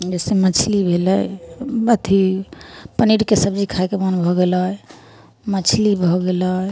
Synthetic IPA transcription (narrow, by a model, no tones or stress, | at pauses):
d͡ʒɛsemət͡ʃʰlibʱeləjbət̪ʰi | pəniɽkesəbd͡ʒikʰajkemənbʱɔɡelɦɔj | mət͡ʃʰlibʱɔɡelɔ